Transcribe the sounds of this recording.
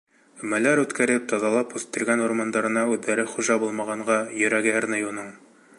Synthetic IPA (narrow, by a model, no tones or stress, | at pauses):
mælæɾʉt̪kæɾɘp̚t̪ɑðɑlˠɑpʉst̪ɘ̆ɾɡænoɾmɑnd̪ɑɾɤ̆nɑʉðːæɾɘχuʒɑbulˠmɑʁɑɴɢɑjɵ̆ɾæɡɘæɾnɘjunɤɴ